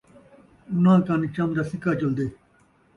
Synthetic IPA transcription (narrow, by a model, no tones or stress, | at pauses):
unãːkaːnit͡ʃɐmd̪aːsikaːt͡ʃɐld̪eː